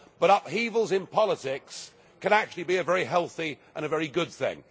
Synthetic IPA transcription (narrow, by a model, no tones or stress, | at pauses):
b̥ʌɾʌphivl̩ˠzɪ̃npʰɑlˠətɪks | kʰɨ̃ñæk̚t͡ʃʉl̩ˠibiɨvɛɹiɦɛlˠθiʔə̃nɨvɛɹiɡʊd̪̚θɪ̰̃ŋ